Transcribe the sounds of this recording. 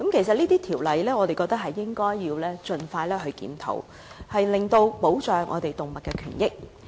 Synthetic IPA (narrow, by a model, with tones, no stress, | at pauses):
kɐ˨˥mkʰe˨˩jsɐ˨t̚liː˥t̪iː˥t̪ʰiː˨˩wlɐ˨˩jlɛː˥ŋɔː˨˧t̪e˨jkɔː˧k̚t̪ɐ˥k̚hɐ˨˩jːɪ˥ŋkɔː˥jːiː˧wlɛː˥t͡ʃɵ˨nfaː˧jlɛː˥ɦɵ˧ɥkḭː˨˥mt̪ʰo̰˨˥w | hɐ˨jlɪ˨˩ŋt̪o˧wpo˨˥wt͡ʃœː˨ŋʔɔ̰ː˨˧t̪e˨˩jt̪ʊ˨ŋmɐ˨t̚kːɛː˧kʰyː˨˩njɪ˥k̚